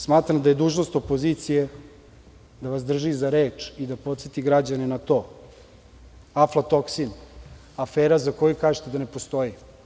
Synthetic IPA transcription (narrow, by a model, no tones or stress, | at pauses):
smaːt̪ɾamd̪aje̞d̪uːʒno̞st̪o̞po̞zit̪sije̞ | d̪aʋasd̪r̩ʒizaɾeːt͡ʃid̪apo̞t̪set̪iɡɾad͡ʑanenat̪o̞ː | aflat̪o̞ksin | afeːɾazako̞jukaːʒet̪e̞d̪ane̞post̪o̞ji